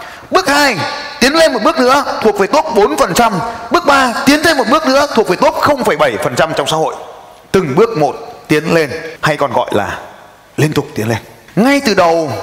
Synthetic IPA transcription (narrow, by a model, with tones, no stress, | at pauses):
ɓɨ˦˥ək̚haː˧jt̪i˨˦ənle˧nm˨˩t̚ɓɨ˦˥k̚nɨ̰˧˥ət̪ʰu˨˩ək̚ve˨˩t̪o˦˥p̚ɓo˨˦nfə˨˩nt͡ɕa˧mɓɨ˦˥ək̚ɓaː˧t̪i˨˦nt̪ʰe˧nm˨˩t̚ɓɨ˦˥ək̚nɨ̰˧˥ət̪ʰu˨˩ək̚ve˨˩t̪o˦˥k͡p̚xə˧wŋ͡mfə˧˩jɓə˧˩jfə˨˩nt͡ɕa˧mt͡ɕɔ˧wŋ͡msa̰ː˧˥ho̰˧˨j | t̪ɨ˨˩ŋɓɨ˦˥ək̚mo˨˩t̚t̪i˨˦ənle˧nha˧jkɔ˨˩nɣɔ̰˧˨jla̰ː˨˩ | li˧ənt̪ʊ˨˩k͡p̚t̪i˨˦ənle˧n | ŋa˧jt̪ɨ˨˩ɗə˨˩w